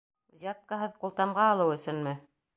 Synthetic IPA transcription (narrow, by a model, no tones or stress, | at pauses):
zʲat̪̚kaɦɤðqulˠt̪ɑmʁɑːlˠɤwɵ̆sɵnmɘ